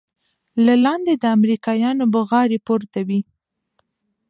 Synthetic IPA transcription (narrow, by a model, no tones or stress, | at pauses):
lalɑnd̪ed̪əamɾikɑjɑnobəɣɑɾepoɾt̪awi